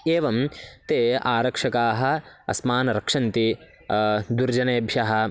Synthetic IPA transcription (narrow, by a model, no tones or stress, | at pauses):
eːʋɐmt̪eːaːɾɐkʂɐkaːɦɐ̆ɐ̰smaːnɐɾɐkʂɐnt̪i | d̪uɾd͡ʒɐneːbʱjɐɦɐ̆